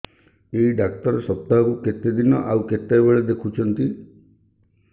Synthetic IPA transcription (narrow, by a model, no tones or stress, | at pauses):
eiɖak̚ʈ̪ɔɾɔsɔp̚t̪akuket̪ed̪inɔʔauket̪ːejbeɭed̪ekʰut͡ʃʰɔnt̪i